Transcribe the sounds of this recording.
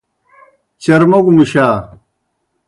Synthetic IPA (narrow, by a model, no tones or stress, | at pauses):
t͡ɕɐɾmoɡumuɕaː